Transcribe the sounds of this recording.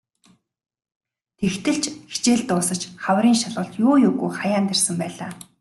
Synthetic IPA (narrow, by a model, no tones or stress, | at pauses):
t̪ʰext̪ʰɘ̆ɬt͡ɕxi̥t͡ɕeːɮt̪ʊːsə̆t͡ɕχawriːŋʃaɮʊːɬt̪jʊːjʊːɣujχajaːnt̪ersə̆mpæːɮa̰ː